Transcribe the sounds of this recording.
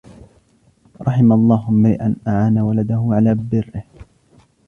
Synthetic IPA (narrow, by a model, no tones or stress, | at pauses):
ɾˤɑħɪmalˤːɑːɦʊmːɪɾɪ̰ʔanʔaʕaːnawalad̪ahʊʕalaːbɪrːɪh